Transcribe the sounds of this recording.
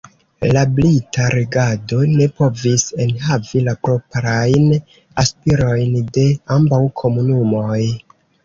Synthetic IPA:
lablitaɾeɡado̞ne̞po̞vise̞nɦavilapɾo̞pɾajn | aspiɾo̞jnde̞ambawkʰo̞munumo̞j

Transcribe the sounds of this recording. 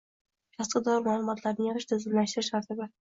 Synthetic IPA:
kʰɑsqɨd̪ɒɾmaːlˠʊmɒt̪ʰlaɾnɪŋjeʁɨʃt̪ʰɪzɪmlaʃt̪ɪɾɪʃaɾt̪ʰɪba

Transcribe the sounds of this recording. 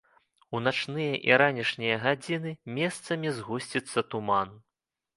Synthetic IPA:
unat͡ʂnɨjɐʔḭɾanʲiʂnʲijɐɣad͡zʲinɨmʲɛst̪sɐmʲizɣusʲt͡sʲit̪sːɐt̪uman

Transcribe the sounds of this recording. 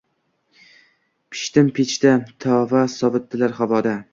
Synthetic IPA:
pʰɪ̥ʃt̪ɪmpʰet͡ʃt̪at̪ʰɒvasɒvɨt̪ːɪlaɾχavɒd̪a

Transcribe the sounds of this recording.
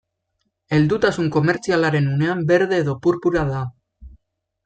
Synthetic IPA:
e̞ld̪ut̪asuŋko̞me̞ɾt͡sialaɾe̞nune̞ambe̞ɾðe̞ːðo̞puɾpuɾaða

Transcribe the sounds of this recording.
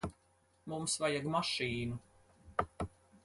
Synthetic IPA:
mumsvajaɡmaʃiːnu

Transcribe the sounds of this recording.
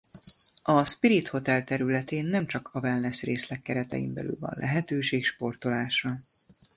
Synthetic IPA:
ɒspiɾit̪ho̞t̪ɛlt̪ɛɾylɛt̪eːnːɛmt͡ʃɒkɒvɛlnɛsreːslɛkːɛɾɛt̪ɛ̰jḭmbɛ̰ly̰lvɒ̰nlʔɛɦɛt̪øːʃeːkʃpo̞rt̪o̞laːʃrɒ

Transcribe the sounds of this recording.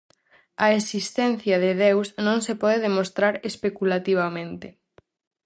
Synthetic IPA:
ɐesist̪ɛnθjɐðɪðewsnõŋsepɔðeðemost̪ɾaɾespekulat̪iβ̞amẽnt̪ɪ

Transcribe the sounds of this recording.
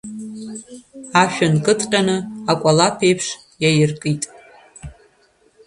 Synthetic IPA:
aʃᶣankʼɨtʰqʲʼanɨakʷʼalapʰejpʰʂ | jajɪrkʼitʼ

